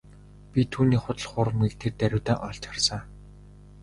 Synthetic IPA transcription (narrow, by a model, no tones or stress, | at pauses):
pʲit̪ʰuːniːχʊt̪ə̆ɮχʊɾə̆mɡik̚t̪ʰert̪æɾʲɪ̆wt̪aːʔɔɮt͡ɕχarsăː